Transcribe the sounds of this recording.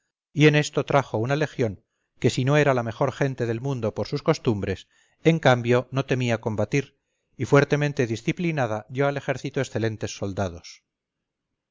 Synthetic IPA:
ie̞ne̞st̪o̞t̪ɾaxo̞unale̞xjo̞ŋ | ke̞sino̞e̞ɾalame̞xo̞ɾxe̞nt̪e̞ðe̞lmũnd̪o̞poɾsusko̞st̪umbɾe̞s | eŋkambjo̞no̞t̪e̞miako̞mbat̪iɾ | ifwe̞ɾt̪e̞mẽnt̪e̞ðisθiplinaðabjo̞ale̞xe̞ɾθit̪oesθe̞lẽ̞nt̪e̞sːo̞ld̪að̞o̞s

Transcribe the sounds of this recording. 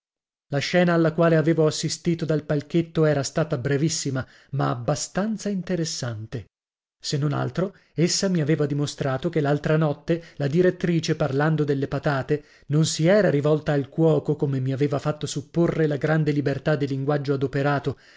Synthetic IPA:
laʃɛːnaːlːakwaːleaveːvoasːist̪iːt̪od̪alpalk̟et̪ːoɛːɾast̪aːt̪abɾɛvisːima | maːbːast̪ant̪saint̪eɾesːant̪e | senːona̰lt̪ɾo | esːamiaveːvad̪imost̪ɾaːt̪okelːalt̪ɾanɔt̪ːelad̪iɾet̪ːɾiːt͡ʃeparland̪od̪elːepat̪aːt̪e | nonsiɛːɾaɾivɔlt̪aːlkwɔːkokomemiaveːvafat̪ːosupːorːelaɡɾand̪elibert̪ad̪ːiliŋɡwad͡ʒːoad̪opeɾaːt̪o

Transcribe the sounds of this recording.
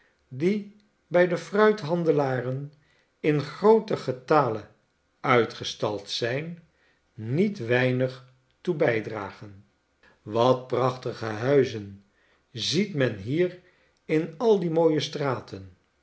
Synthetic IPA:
di | bɛjdəfrœɥtɦɑndəlaːrən | ɪnχrowtəχətaːlə | œɥtχəstɑlˠtsɛjnː | itʋɛjnəχ | tubɛjdra̰ːχən | ʋɑt̚prɑχtəχəɦœɥzən | zitmɛnɦiːr | ɪnɑlˠdimoːjəstraːtʰən

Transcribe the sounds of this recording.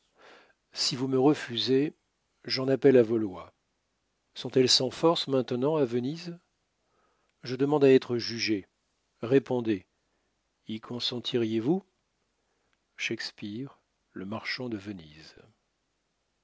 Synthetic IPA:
sivuməʁəfyze | ʒɑ̃napɛlavolwa | sɔ̃t̪ɛlsɑ̃fɔʁsmɛ̃t̪nɑ̃avəniz | ʒəd̪əmɑ̃d̪aɛt̪χəʒyʒe | ʁepɔ̃d̪e | ikʰɔ̃sɑ̃t̪ʰiʁjevu | ʃɛkspiʁ | ləmaʁʃɑ̃d̪əvənḭz

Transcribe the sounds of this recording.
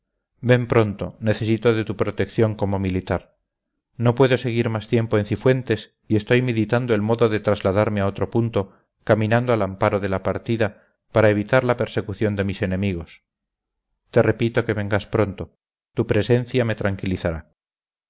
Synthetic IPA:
be̞mpɾo̞nt̪o̞ne̞θe̞sit̪o̞ðe̞t̪upɾo̞t̪e̞kθjo̞ŋko̞mo̞milit̪aɾ | no̞pwe̞ðo̞seɣ̞iɾmast̪je̞mpo̞en̟θifwe̞nt̪e̞s | ie̞st̪o̞jmeðit̪and̪oe̞lmo̞ðo̞ðe̞t̪ɾazlaðaɾmeao̞t̪ɾo̞punt̪o̞ | kamĩnãnd̪oalampaɾo̞ðe̞lapaɾt̪iða | paɾae̞β̞it̪aɾlape̞ɾse̞kuθjo̞nd̪e̞mise̞ne̞miɣ̞o̞s | t̪e̞re̞pit̪o̞ke̞βe̞ŋɡaspɾo̞nt̪o̞ | t̪upɾe̞se̞nθjame̞t̪ɾaŋkiliθaɾa

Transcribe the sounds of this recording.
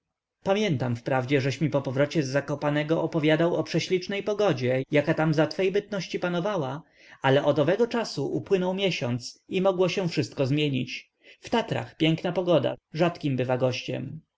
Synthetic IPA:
pamʲjɛnt̪amfpɾavd͡ʑɛʐɛɕmʲipɔpɔvɾɔt͡ɕɛzːakɔpanɛɡɔʔɔpɔvʲjad̪awɔpʂɛɕlʲit͡ʂnɛjpɔɡɔd͡ʑɛjakat̪amzat̪fɛjbɘt̪̚nɔɕt͡ɕipanɔvawa | alɛʔɔd̪ɔvɛɡɔt͡ʂasuʔupwɘnɔwmʲjɛɕɔnt̪simɔɡwɔɕɛ̃fʂɘst̪kɔzmʲjeɲit͡ɕ | ft̪at̪ɾa̰xpʲjɛŋknapɔɡɔd̪a̰ʐat̪kʲimbɘvaɡɔɕt͡ɕɛ̰m

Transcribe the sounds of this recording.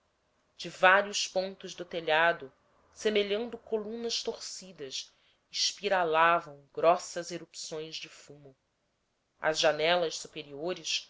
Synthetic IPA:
d͡ʒɪvaɾiʊspõnt̪ʊʒd̪ʊt̪eʎad̪ʊ | semeʎɐ̃nd̪ʊkolũnɐʃt̪oχsid̪ɐʃ | ɪʃpiɾalavɐ̃w̃ɡɾɔsɐzeɾupsõj̃zd͡ʒɪfũmʊ | ɐ̰zʒanɛlɐʃsupeɾioɾɪʃ

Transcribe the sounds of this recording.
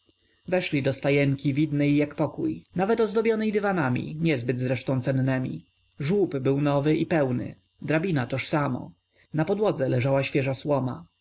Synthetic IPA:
vɛʂlʲid̪ɔst̪ajɛŋkʲivʲid̪nɛjːakpɔkujnavɛt̪ɔzd̪ɔbʲjɔnɛjd̪ɘvanamʲḭɲɛzbɘd̪zɾɛʂt̪ɔ̃w̃t̪sɛnːɛmʲḭ | ʐwupbɘwnɔvɘʔipɛwnɘ̰ | d̪ɾabʲinat̪ɔʂsamɔ̰ | napɔd̪wɔd̪zɛlɛʐawaɕfʲjɛʐaswɔma̰

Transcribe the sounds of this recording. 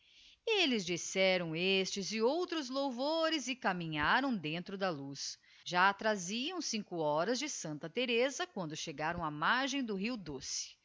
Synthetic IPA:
elɪzd͡ʒisɛɾɐ̃w̃est͡ʃɪzɪowt̪ɾʊzlowvoɾɪzɪkamĩɲaɾɐ̃w̃d̪ẽnt̪ɾʊd̪ɐlus | ʒaːt̪ɾaziɐ̃w̃sĩŋkʊɔɾɐzd͡ʒɪsɐ̃nt̪ɐt̪eɾezɐkwɐ̃nd̪ʊʃeɡaɾɐ̃w̃ɐmaɾʒẽj̃d̪ʊɦiwd̪osɪ̥

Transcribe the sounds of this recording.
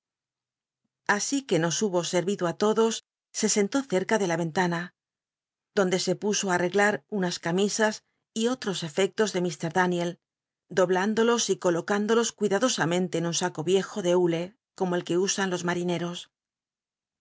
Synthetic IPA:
asike̞no̞suβo̞se̞ɾβiðoat̪o̞ðo̞sː | e̞se̞nt̪o̞θe̞ɾkaðe̞laβe̞nt̪ana | d̪̥o̞nd̪e̞se̞puso̞are̞ɣlaɾunaskamisas | io̞t̪ɾo̞se̞fe̞k̚t̪o̞zðe̞mist̪e̞ɾðanje̞l | d̪o̞βland̪o̞lo̞siko̞lo̞kand̪o̞lo̞skwiðaðo̞samẽ̞nt̪e̞ːnunsako̞βje̞xo̞ðe̞ule̞ | ko̞mo̞e̞lke̞usanlo̞zmaɾine̞ɾo̞s

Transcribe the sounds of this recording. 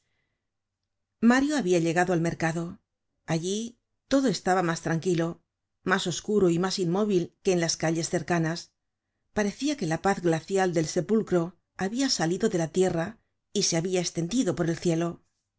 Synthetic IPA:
maɾjoaβiaʎe̞ɣaðo̞alme̞ɾkaðo̞ | aʎi | t̪o̞ðo̞e̞st̪aβamast̪ɾaŋkilo̞ | maso̞skuɾoimasinmo̞β̞ilke̞ːnlaskaʎe̞sθe̞ɾkanas | paɾe̞θiake̞lapaθɡlaθjald̪e̞lse̞pulkɾo̞ | aβiasaliðo̞ðe̞lat̪je̞ra | ise̞aβiaest̪e̞nd̪iðo̞po̞ɾe̞lθje̞lo̞

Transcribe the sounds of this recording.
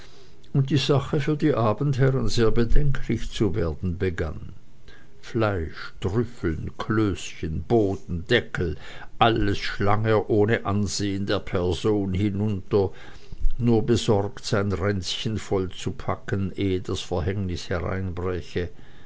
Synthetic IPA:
ʔʊnt̚d̥iːzaχəfyːɐdiːʔaːbn̩thɛʁənzeːɐbədɛŋkʰlɪçt͡suveːɐdn̩bəɡa̰n | flaɪʃd̥ʁʏfl̩nkʰløːsçənb̥oːdn̩d̥ɛkʰl̩ | ʔaləsʃlaŋəʔoːnəʔanzeːəndeːɐpʰɛɐzoːnhɪnʊntɐ | nuːɐbəzɔʁktz̥aɪnʁɛnt͡sçənfɔlt͡supʰakənʔeːəd̥asfɛɐɦɛŋnɪshɛʁa̰ɪnbʁɛçə

